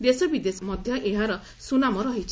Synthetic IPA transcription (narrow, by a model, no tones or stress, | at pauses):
d̪esɔbid̪esɔmɔd̪ʱjɔʔeɦaɾɔ | sunamɔɾɔɦit͡ʃʰ